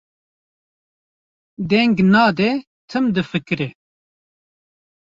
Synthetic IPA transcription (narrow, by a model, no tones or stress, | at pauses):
d̪ɛŋɡnɑːd̪ɛ | t̪ʰɨmd̪ɨfɨkɨɾe